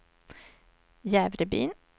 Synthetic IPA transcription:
jæːʋɾəby̰ːn

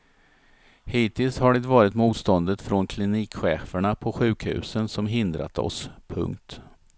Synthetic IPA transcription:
hiːt̪ɪlshaɖɛt̪vɑːɾɪt̪muːt̪st̪ɔnd̪ət̪fɾonkʰlɪniːkɧɛːfəɳapʰɔɧʉ̟ːkhʉ̟̰ːsənsɔmɦɪnd̪ɾa̰t̪ɔ̰spʰɵ̰ŋkt̪

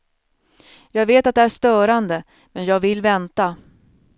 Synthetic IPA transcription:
jɑːɡveːt̪at̪̚d̪ɛæʂt̪œːɾand̪ə | mɛnjɑːɡvɪlːvɛnt̪a

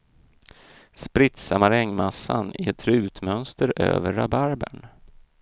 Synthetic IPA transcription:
spɾɪt̪samaɾɛŋːmasːanɪɛt̪ʰɾʉ̟ːt̪mœnst̪əɾø̰ːvəɾabaɾbəɳ

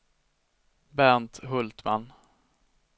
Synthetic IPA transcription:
bænt̪ɦɵlt̪ma̰n

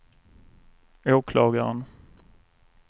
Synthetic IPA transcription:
oːkʰlɑːɡaɾə̰n

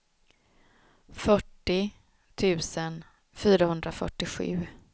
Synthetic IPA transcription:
fœʈːɪ | t̪ʰʉ̟ːsən | fyːɾahɵnd̪ɾafœ̰ʈːɪɧʉ̟̰ː

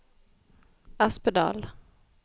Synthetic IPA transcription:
aspəd̪ɑ̰ːl

